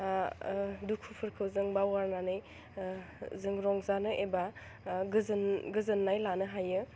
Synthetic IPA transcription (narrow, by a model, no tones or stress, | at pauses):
dukʰupʰɯɾkʰɯwzɯŋbawaɾnanɯj | zɯŋɾɔŋzanɯʔeba | ɡɯznɡɯzɯnːajlanɯɦajɯ